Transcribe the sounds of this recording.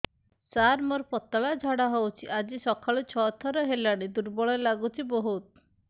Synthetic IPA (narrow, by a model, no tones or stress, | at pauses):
saɾmoɾpɔt̪aɭad͡ʒʱaɽaɦowt͡ʃʰiʔad͡ʒisɔkʰaɭut͡ʃʰɔt̪ʰɔɾɔɦelaɽ̃id̪uɾbɔɭɔlaɡut͡ʃʰiboɦut̪